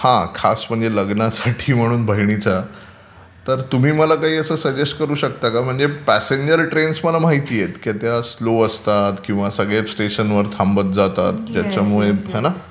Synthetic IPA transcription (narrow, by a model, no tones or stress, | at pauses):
hãkʰasm̤əɳd͡zeləɡnasaʈʰiːm̤əɽ̃uːnbʱəɦjɽit͡sa | t̪əɾt̪um̤iːməlakaɦiːəsəːsəd͡ʑesʈ̚kəɾuːɕək̚t̪akam̤əɳd͡zepæseɲd͡ʑəɾʈɾensməlamaɦit̪iːjet̪kat̪jasloəst̪at̪kĩw̃ʋasəɡɭesʈeɕənʋəɾt̪ʰambət̪̚d͡zat̪a̰t̪ːjat͡ɕjamuɭeɦana